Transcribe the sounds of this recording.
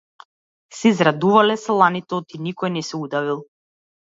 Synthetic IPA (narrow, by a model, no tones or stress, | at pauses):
sɛzɾad̪uvalɛslˠanit̪ɛɔt̪inikɔjnɛsɛud̪avilˠ